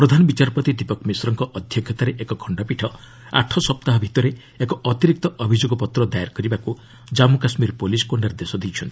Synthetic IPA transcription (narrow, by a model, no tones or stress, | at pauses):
pɾɔd̪ʱanɔbit͡ʃaɾpɔt̪id̪ipɔkmisɔɾɔŋkɔʔɔd̪ʱjɔkʰjɔt̪aɾeʔekɔkʰɔɳɖɔpiʈʰɔ | a̰ʈʰɔsɔp̚t̪aɦɔbʱit̪ɔɾe | ekɔɔt̪iɾik̚t̪ɔʔɔbʱid͡ʒoɡɔpɔt̪ɾɔd̪ajaɾkɔɾibaku | d͡ʒamukasmiɾpoliskoɳɖaɾed̪esɔd̪ijt͡ʃʰɔnt̪ʰi̥